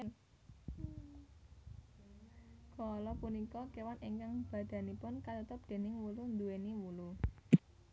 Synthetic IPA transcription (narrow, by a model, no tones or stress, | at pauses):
kɔlɔpunikɔkewaniŋkaŋb̥ä̤d̪̥ä̤nipʊnkat̪ut̪ʊp̚d̪̥e̤nɪŋwulund̪ueniwulu